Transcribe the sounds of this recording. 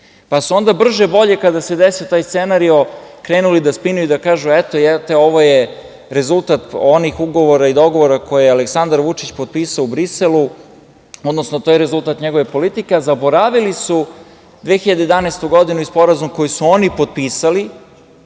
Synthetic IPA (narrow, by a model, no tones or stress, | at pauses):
pasuo̞nd̪abr̩ʒebo̞ʎe̞kad̪ase̞d̪esiot̪aːjst̪senaɾio̞ | kɾeːnulid̪aspinujuid̪akaːʒuet̪ojɛt̪eo̞ʋo̞je | ɾe̞zulˠt̪at̪o̞nixuɡo̞ʋoɾaid̪o̞ɡo̞ʋoɾako̞jealeksand̪aɾʋut͡ʂit͡ɕpo̞d̪̚piːsaoubɾiselu | o̞d̪nosnot̪oːjeɾe̞zulˠt̪at̪ɲeɡo̞ʋe̞po̞lit̪ikeazabo̞ɾaʋilisu | d̪ʋexiʎad̪ejd̪anest̪uɡo̞d̪inuispo̞ɾazumko̞jisuo̞nipo̞d̪̚piːsali